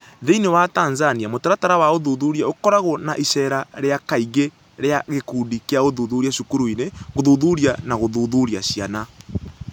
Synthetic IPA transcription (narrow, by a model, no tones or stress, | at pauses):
ðeinewataːnzaniamotaɾataɾawaoðuðuɾjaokɔɾaɣonaʔisɛɾaɾeakaiɣe | ɾeaɣekudikeaɣoðuðuɾiaʃukuɾoineɣoðuðuɾianaɣoðuðuɾiaɕiana